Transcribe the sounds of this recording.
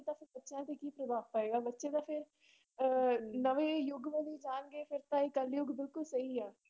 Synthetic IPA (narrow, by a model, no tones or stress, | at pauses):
t̪ãːpʰɪɾbətːʃjãːt̪ekiːpɾəbʱaːʋpaːeːɡaːbətːʃet̪ãːpʰɪɾ | nəʋeːjʊɡʋə̃liːd͡ʒaːnɡeːpʰɪɾt̪ãːiːkəljʊɡbɪlkʊlsəɦiɛː